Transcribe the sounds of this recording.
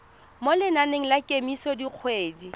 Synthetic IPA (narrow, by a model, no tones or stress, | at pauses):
molɪnaneŋ̩lakʼemisɔdiq͡χʰweːdi